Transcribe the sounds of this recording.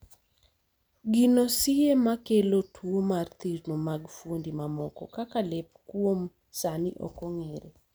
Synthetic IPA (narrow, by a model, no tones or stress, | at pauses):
ɡinosɪemakelotʰwomart̪iɾnomaɡfwondimamɔkɔ̰kakalepkwom | saniʔɔ̰kɔŋeɾe